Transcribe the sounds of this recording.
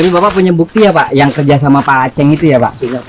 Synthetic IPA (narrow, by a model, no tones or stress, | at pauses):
aɾibapaʔpuɲabuk̚t̪ijapaʔjaŋkərd͡ʒas̬amapalat͡ʃɛŋit̪ujapa̰ʔ